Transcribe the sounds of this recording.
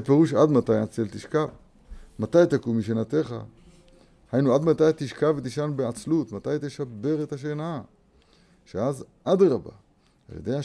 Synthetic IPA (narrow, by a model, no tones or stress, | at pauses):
epe̞ʁuʃad̪mat̪ajat͡selt̪iʃkav | mat̪ajt̪akumiʃ̬enat̪e̞χa̰ | hajnuad̪mat̪ajt̪iʃkavet̪iʃanbeat͡slut̪mat̪ajt̪e̞ʃabe̞ʁet̪haʃ̬ena | ʃeazʔad̪ʁaba̰ | a̰ljḛd̪eja